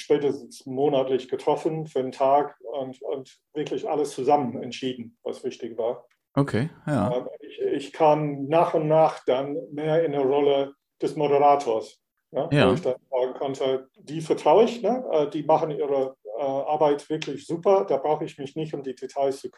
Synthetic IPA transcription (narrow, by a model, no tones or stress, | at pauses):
ʃpɛːtəstn̩smoːnatlɪçɡ̥ətʁ̥ɔfənfyːɐdentʰaːkʊntʊ̰nt | v̥ɪɐklɪçʔa̰ləst͡suzamənɛ̰ntʃiːdn̩va̰sv̥ɪçtɪçvaːɐ | okʰeɛmɪɪçkʰaːmnaːχʊntnaːχd̥anmeːɐɪndeːɐʁɔlə | d̥ɛsmoɾəʁaːtʰoːɐs | nəːɪçd̥anz̥aːɡŋ̩kʰɔntʰə | d̥iːfɛɐtʁ̥aʊɪçnəʔɛːdiːmaχən̩iːʁəɛːʔaɐbaɪtv̥ɪɐklɪçz̥uːpɐd̥aːbʁaʊxəɪçmɪçnɪçtʊmdiːdetʰaɪst͡sukʰ